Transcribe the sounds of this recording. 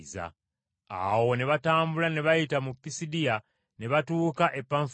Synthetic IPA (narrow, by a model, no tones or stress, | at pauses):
za̰ | a̰wo̞ne̞βataːmbulane̞βajitamupːisidija | ne̞βatuːkaʔe̞pːaːɱf